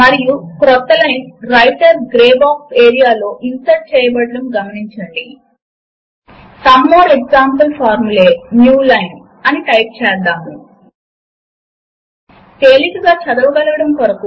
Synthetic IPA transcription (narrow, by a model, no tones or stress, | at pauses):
mɐɾijukɾɔt̪ːɐlɐjnɾɐjʈɐɾɡɾeːbaːkseːɾijaːlo̞ːʔinsɐʈ̚t͡ʃɛːjɐbɐɽːɐɽɐmɡɐmɐniɲt͡ʃɐɳɖi | sɐmːoːɾeɡzaːmpɐlpʰaːɾmuleːnjuːlɐjn | ɐniʈɐjp̚t͡ʃɛːd̪ːaːmu | t̪eːlikɐɡaːt͡ʃɐd̪ɐʋɐɡɐlɐʋɐɽɐmkɐɾɐku